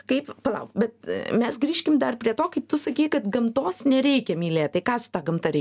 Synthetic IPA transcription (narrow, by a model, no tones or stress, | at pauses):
kɐɪppɐlˠɐʊkbʲɛt̪mʲɛsɡɾʲiːʃʲkʲɪmd̪ɐrpʲɾʲiɛt̪oːkɐɪp̚t̪ʊsɐkʲiːkɐt̪ɡɐmt̪oːsnʲɛɾʲɛɪkʲɛmʲiːlʲeːt̪t̪ɐɪkɑːsʊ̥t̪ɑɡɐmt̪ɐɾʲɛɪ